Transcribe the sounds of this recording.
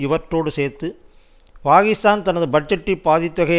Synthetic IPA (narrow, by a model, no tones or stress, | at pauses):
ɪʋɐɾʈɾoːɽɯseːɾt̪ːɯ | paːɣɪst̪aːnt̪ɐnɐðɯbɐʈ̚d͡ʒɐʈːipːaːðɪt̪ːʋɐɣɐ